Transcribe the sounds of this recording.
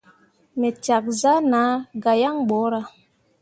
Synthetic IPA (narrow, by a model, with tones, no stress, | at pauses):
me˨ta˨k̚za˦na˨˦ɡa˨ja˦ŋɓɔ˨˦ɾa˦